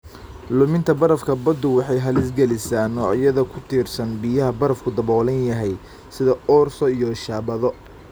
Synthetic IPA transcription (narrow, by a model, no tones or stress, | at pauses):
lʊmɪnt̪ʰɐbɐɾɐfkʰɐbɐd̪ʊwɑħɑjɦɐlɪsɡɛlɪsaːnɔːʕjɐðɐkʰʊt̪ʰiːrsɐnbijɐɦɐbɐɾɐfkʰʊd̪ɐβɔːlɐnjɐɦɛj | sɪðɐɔːrsɔijɔʃaːbɐðɔ